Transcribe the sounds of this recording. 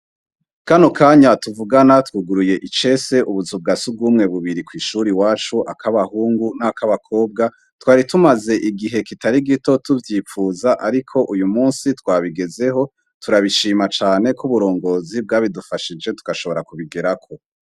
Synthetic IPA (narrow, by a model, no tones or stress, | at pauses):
kanokaːɲatuvuɡanatwuɡuɾuje̞ʔit͡ʃe̞se̞ʔuβuzub̚ɡasub̚ɡuːmŋe̞βuβiɾikwiːʃuɾiwaːt͡ʃuʔakaβahuːŋɡunakaβakʰo̞ːb̚ɡa | twaːɾitumaze̞ʔiɡiɦe̞kitaɾiɡito̞tuvjiːfuːzaʔaɾikʰo̞ʔujumuːnsitwaːβiɡe̞ze̞ɦo̞ | tuɾaβiʃiːmat͡ʃaːne̞kuβuɾo̞ːŋɡo̞ːzib̚ɡaːβidufaʃid͡ʒe̞tu̥kaʃo̞βo̞ɾakuβiɡeɾakʰo̞